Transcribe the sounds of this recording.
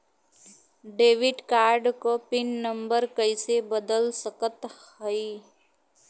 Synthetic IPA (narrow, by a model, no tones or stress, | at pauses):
ɖeːʋɪɖkaːɾɖkopɪnːəmbəɾkəisebəd̪əlsəkət̪həi